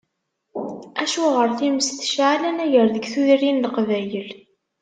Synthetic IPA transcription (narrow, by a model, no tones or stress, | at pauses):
æʃuʁəɾθiməsθʃʕalænæʝəɾðəɡθuðrinləqvæjəl